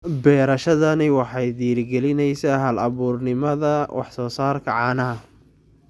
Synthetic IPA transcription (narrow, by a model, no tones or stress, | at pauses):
bɛːɾɐʃɐðɐnɪwɑħɑjd̪iːrɡɛlɪnɛjsaːɦɐlɐβuːrnɪmɐðɐwʔɑ̰ħsɔːsaːrkʰɐʕɑːnɐɦɐ